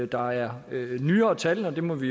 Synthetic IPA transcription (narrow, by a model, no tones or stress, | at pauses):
d̥ɑ̈æɐnyːɐːt͡sʰæln̩ɒ̽d̥e̝mɒ̽ʋi